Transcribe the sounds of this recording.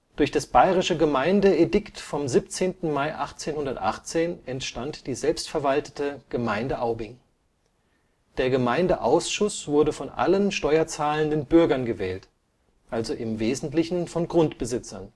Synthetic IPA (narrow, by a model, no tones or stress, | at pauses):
d̥ʊɐçd̥asb̥aɪʁɪʃəɡəmaɪndəedɪktfɔmzip̚t͡seːntn̩maɪʔaχt͡seːnhʊndɐtʔa̰χt͡seːnɛntʃtantd̥iːzɛlpstfɛɐvaltə̥təɡ̥əmaɪndəʔaʊbɪŋ | d̥eːɐɡəmaɪndəʔa̰ʊsʃʊsv̥ʊɐdəfɔnʔa̰lənʃtɔʏɐt͡saːləndənbʏɐɡɐnɡəvɛːlt | ʔalzoʔɪmveːzn̩tlɪçn̩fɔnɡʁʊntb̥əzɪt͡sɐn